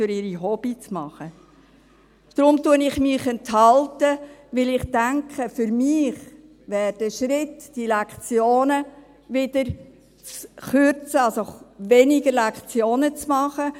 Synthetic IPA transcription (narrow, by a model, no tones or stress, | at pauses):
fʏɾɪɾiɦɔb̥it͡smɑχə | d̪̥ɾʊmtuənɪχmɪχɛntɦɑltəʋɪlɪχd̥æŋkχəfʏɾmɪχ | ʋɛːɾd̥əʃɾɪtd̥ilɛkt͡sjoːnə | ʋɪd̥əɾ | t͡sχʏɾt͡səɑlsoʋɛnɪɡəɾlɛkχt͡sjoːnət͡smɑχə